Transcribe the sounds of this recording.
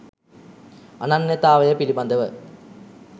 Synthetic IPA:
ɐnɐnjɐt̪aːʋɐjɐpilibɐnd̪ʱɐʋɨ

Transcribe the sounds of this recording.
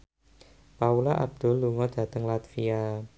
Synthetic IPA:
paulaʔab̚d̪̥ɔ̤lːuŋɔd̪̥ä̤t̪əŋlat̪fia

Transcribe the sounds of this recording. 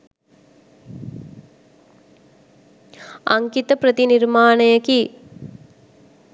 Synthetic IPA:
ɐŋɡɪt̪ɐpɾɐt̪inɪɾmaːnɐjɐki

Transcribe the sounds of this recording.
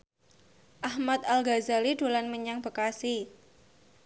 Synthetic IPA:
ʔahmat̪alɡazalido̤lanməɲaŋb̥əkasi

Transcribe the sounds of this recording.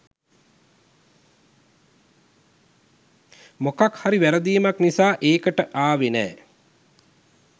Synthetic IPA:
mokakhaɾiʋæɾəd̪iːmaknisaːʔeːkəʈəʔaːʋenɛ̰ː

